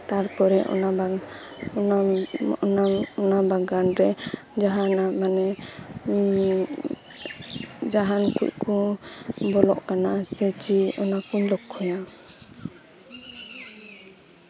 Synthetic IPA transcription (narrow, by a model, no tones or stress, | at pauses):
t̪aɾpɔɾɛʔɔ̰na | ɔnabaɡanɾɛ | d͡ʒaɦanamanɛ | d͡ʒaɦankṵʔ̚kɔ | bɔlɔʔkanasɛt͡ʃiɔnakuɲlɔkʰːɔja